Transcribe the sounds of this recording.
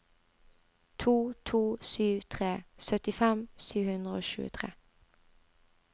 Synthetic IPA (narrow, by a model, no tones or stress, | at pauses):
t̪ʰuːt̪ʰuːsyːʋt̪ʰʁeːsœt̪ɪfɛmsyːʋhʉnd̪ʁəo̰ːʃʉ̰ːət̪ʰʁḛː